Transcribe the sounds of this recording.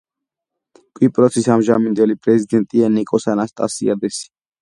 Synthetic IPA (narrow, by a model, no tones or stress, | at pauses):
kʼwipʼɾɔtsʰisamʒamind̪ɛlipʼɾɛzid̪ɛnt̪ʼianikʼɔsanast̪ʼa̰sia̰d̪ɛsi̥